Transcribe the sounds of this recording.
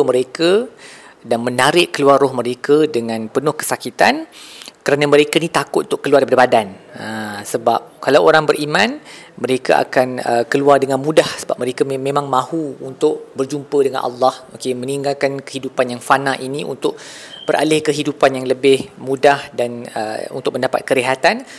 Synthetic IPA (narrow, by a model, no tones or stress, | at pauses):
pəməɾekə | danmə̃naɾɪʔkəluarɔhməɾekədəŋãnpənʊhkə̥sakit̪ankəɾanaməɾekanit̪akʊt̪ʔunt̪ʊʔkəluardipadəbadanəsəbap̚kalawoɾaŋbərʔimãnməɾeka̰ʔa̰kanə̰kəluardəŋãnmudahsəbap̚məɾekamẽmãŋmãhuunt̪ʊʔbərd͡ʒumpədəŋã̰nʔɑ̰lːɑhokemə̃niŋɡalkankə̥hidupanjaŋfanãʔiniʔṵnt̪ʊʔ̚b̥ərʔa̰lɪhkəɦidupanjaŋləbɪhmũdahdanə̰ṵnt̪ʊk̚məndapa̰t̪̚kəɾeɦat̪an